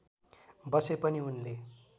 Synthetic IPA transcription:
bʌsepʌniunle

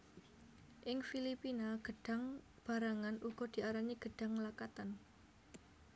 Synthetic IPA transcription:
ʔɪŋfilipinaɡ̥ə̤ɖ̥a̤ŋ | b̥a̤ɾaŋanʔuɡ̥ɔd̪̥i̤ʔaɾaɲiɡ̥əɖ̥a̤ŋlakat̪an

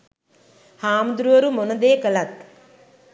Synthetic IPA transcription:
haːmd̪ɾuʋɐɾumonɐd̪eːkɐlɐt̪

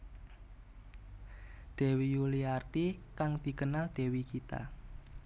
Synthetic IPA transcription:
d̪̥e̤wijuliart̪ikaŋd̪̥i̤kənald̪̥e̤wikit̪a̰

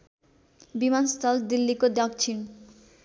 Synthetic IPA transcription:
bimanst̪ɔld̪ilːikod̪ɔk̚t͡ɕʰin

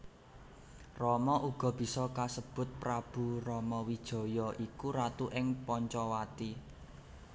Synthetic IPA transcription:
rɔmɔʔuɡ̥ɔ̤b̥i̤sɔkasəb̥ʊ̤t̪̚pɾab̥ṳrɔmɔwid̥ʒ̥ɔ̤jɔʔikuɾat̪uʔɪŋpɔɲt͡ʃɔwat̪i

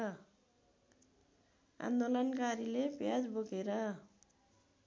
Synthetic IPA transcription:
a̰nd̪olʌnkaɾilepjad͡zboɡeɾʌ

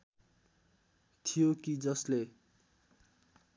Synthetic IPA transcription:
t̪ʰijokid͡zʌsle

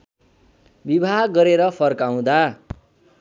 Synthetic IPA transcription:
bibʱaɦɡʌɾeɾʌpʰʌrkaw̃d̪a

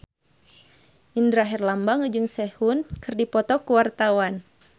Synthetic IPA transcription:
ʔindɾaɦɛrlambaŋd͡ʒɨŋsɛhunkɨrdipɔt̪ɔkuwart̪awan

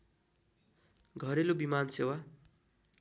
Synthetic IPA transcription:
ɡʱʌɾelobimansewa

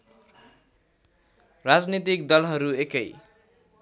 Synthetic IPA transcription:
rad͡znit̪ikd̪ʌlɦʌɾuekʌj

